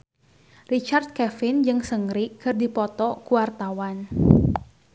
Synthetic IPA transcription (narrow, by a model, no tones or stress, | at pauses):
rit͡ʃart̪̚kɛfɪnd͡ʒɨŋsəŋɾikɨrdipɔt̪ɔkuwart̪awan